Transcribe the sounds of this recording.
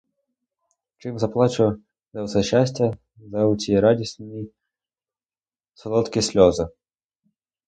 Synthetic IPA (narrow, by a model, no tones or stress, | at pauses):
t͡ʂɪmzɐplˠat͡ʃʊ | zɐwsɛɕːasʲtʲɐ | zɐʊtʲiɾadʲisʲnʲi | sɔlˠɔt̪kʲisʲlʲɔzɨ